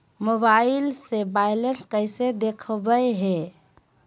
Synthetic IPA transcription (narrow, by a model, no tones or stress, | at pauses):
mobailsebajlenskəjsed̪ekʰbəjɦe